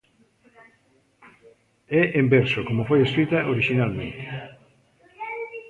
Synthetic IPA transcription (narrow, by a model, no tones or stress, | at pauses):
ɛʔembeɾsokomofojeskɾit̪ɐʔoɾiʃinalmẽnt̪e̥